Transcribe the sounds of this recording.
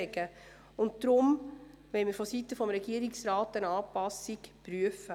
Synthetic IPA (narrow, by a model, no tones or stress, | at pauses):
ɛɡə | ʊnt̚d̥ɾʊm | ʋɛɪmɪɾfɔsitəfɔmɾɛɡiəɾiksɾaːtɛɾnɑːpɑsikpɾyəfə